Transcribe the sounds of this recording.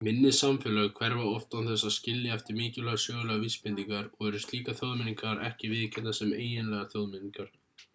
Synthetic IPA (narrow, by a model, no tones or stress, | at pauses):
mɪnːɪsamfɪːlaɣkʰvɛɾvaɔft̪awnθɛsːaðscɪljaɛft̪ɪɾmɪːcɪlœɣasjœːɣʏlɛɣavispɪnt̪iŋkaɾɔɣɛɾʏ̥st̪liːkaθjowðmɪniŋkaɾɛhcɪvɪðcʰɛnasɛmeːjɪnlɛːɣaθjowðmɪniŋkaɾ̥